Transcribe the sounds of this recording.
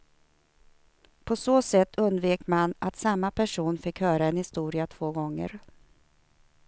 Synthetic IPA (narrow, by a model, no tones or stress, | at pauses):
pʰɔsoːsɛt̪ʰːɵnd̪veːkmanat̪samːapʰæʂuːnfɪkhœːɾaɛnhɪst̪uːɾɪat̪ʰv̥oːɡɔŋːə̰ɾ